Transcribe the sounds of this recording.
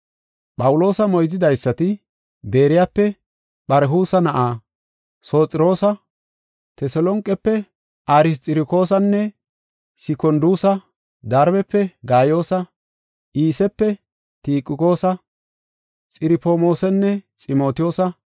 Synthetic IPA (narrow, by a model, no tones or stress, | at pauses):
pʼɐwʊlo̞ːsɐmɔjzɪd̪ɐjsːɐt̪ɪ | be̞ːɾɪjapːɛ | ɓɐɾɦuːsɐnɐʔaː | so̞ːt͡sʼɪɾo̞ːsɐ | t̪ɛsɔlɔŋkʼːɛpːɛ | ʔaɾɪs̬tʼɪɾɪko̞ːsɐnːɛ | sɪkɔnd̪uːsɐ | d̪ɐɾbɛpːɛɡaːjo̞ːsɐ | ʔiːsɛpːɛ | t̪iːkʼːɪko̞ːsɐ | t͡sʼɪɾɪpoːmo̞ːsɛnːɛt͡sʼɪmo̞ːt̪ɪjo̞ːsɐ